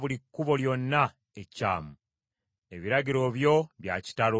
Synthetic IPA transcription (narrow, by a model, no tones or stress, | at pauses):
βulikːuβo̞ljo̞nːa | ecːa̰ːmu | e̞βiɾaɟiɾo̞βjo̞βja̰ci̥talo